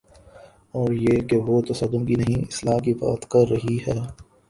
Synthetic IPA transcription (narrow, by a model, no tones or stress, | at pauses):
ɔːɾjeːkeʋoːt̪ɐsəd̪ʊ̃mkinɐɦĩɪslaːkiba̰ːt̪kɐɾːɐɦiɦɛː